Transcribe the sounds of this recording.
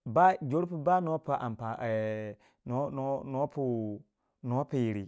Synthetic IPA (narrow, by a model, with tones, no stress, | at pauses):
ba˦d͡ʒo˦ɾpu˦ba˦no˦pa˨ʔa̰˨m˨pa˨ | no˦no˦no˦pu˦ | no˦pi˨jɾi˨